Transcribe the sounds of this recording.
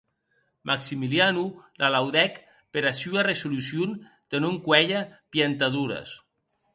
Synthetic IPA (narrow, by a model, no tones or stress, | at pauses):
mʔaksimilianulʔalawðɛk | peɾasyaresulusjun | d̪̥enoŋkwɛʎapjant̪aðuɾɐ̰s